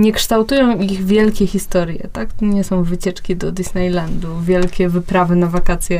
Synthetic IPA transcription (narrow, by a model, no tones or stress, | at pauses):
ɲɛkʂt̪awt̪ujɔ̃w̃iɣvʲjɛlkʲɛxʲist̪ɔɾjɛ̰t̪akt̪ɔɲɛsɔ̃w̃vɘt͡ɕɛt͡ʂkʲid̪ɔd̪isnɛjland̪uvʲjɛlkʲɛvɘpɾavɘnavakat̪sʲjɛ